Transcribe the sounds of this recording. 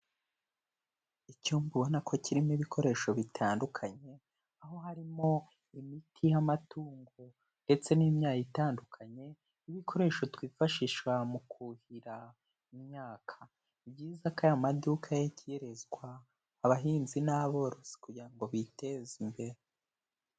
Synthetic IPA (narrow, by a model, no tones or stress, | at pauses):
icuːmbuβonakʰo̞cʰiɾimiβikʰo̞ɾe̞ːʃo̞βitʰaːndukʰaɲe̞ | aɦo̞ɦaɾimo̞ | imitʰijamatuːŋɡo | nde̞t͡se̞niːmɲaːjitaːndukʰaɲe̞ | iβikʰo̞ɾe̞ːʃo̞twiːfaʃiːʃwamukʰuhiɾa | imɲaːkʰa | ibɟiːzakajamadukʰajecijeɾe̞zɡwaː | βaɦiːnzinaβo̞ɾo̞si̥kuɟiɾaŋɡo̞βitezimbe̞ɾe